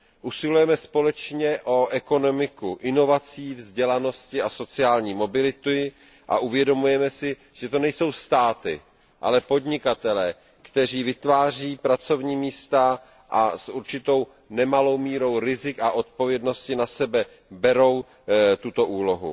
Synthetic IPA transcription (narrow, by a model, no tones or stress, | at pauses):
ʔusɪlujɛmɛspo̞lɛt͡ʃɲɛʔo̞ʔɛko̞no̞mɪkuʔɪno̞vat͡siːvzɟɛlano̞scɪaso̞t͡sɪaːlɲiːmo̞bɪlɪt̪u | ʔa̰ʔuvjɛdo̞mujɛmɛsɪ | ʒ̥ɛt̪o̞nɛjso̞wst̪aːt̪ɪ | ʔa̰lɛpo̞d̪ɲɪkat̪ɛlɛː | kt̪ɛr̝iːvɪt̪vaːr̝iːpɾat͡so̞vɲiːmiːst̪a | ʔa̰sʔuɾt͡ʃɪt̪o̞w | nɛmalo̞wmiːɾo̞wɾɪzɪkaʔo̞t̪̚po̞vjɛdno̞scɪnasɛbɛ | bɛɾo̞w | t̪ut̪o̞ʔuːlo̞ɦṵ